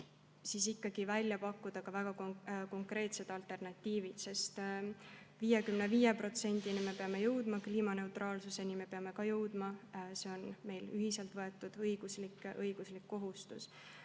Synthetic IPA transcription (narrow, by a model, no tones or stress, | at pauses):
sis̬ikːɑɡ̥ivælʲjɑpɑkːud̪̥ɑkɑvæɡ̥ɑkko̞ŋkre̞ːt̪se̞t̪ɑlt̪e̞rnɑt̪ʲːiːvit̪se̞st̪ | viːjekymne̞viːjepro̞t̪se̞nʲd̪̥inime̞pe̞ɑme̞jɤwd̪̥mɑkliːmɑne̞ut̪rɑːlsuse̞nime̞pe̞ɑme̞kɑjɤwd̪̥mɑse̞o̞nme̞jlyɦise̞lt̪vɤe̞t̪ːˑud̪̥ɤjɡ̥uslikɤjɡ̥uslikːo̞ɦust̪us